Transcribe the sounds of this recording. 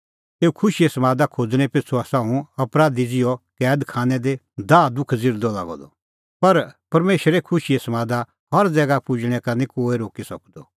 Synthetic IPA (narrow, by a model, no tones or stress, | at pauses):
eːukʰʊʃiɛsɐmaːd̪akʰoːd͡zɽ̃ɛpɪt͡sʰoasãũɐpɾaːd̪id͡zɪjɔkɛːd̪kʰaːnɛd̪e | d̪aːd̪ʊkʰd͡zɪɾd̪ɔla̰ːɡɔ̰d̪ɔ | pɐɾpɐɾmeːʃɾɛkʰʊʃiɛsɐmaːd̪a | hɐɾd͡zɛːɡapʊd͡ʒɽ̃ɛkɐnikoːeɾoːkisɐkd̪ɔ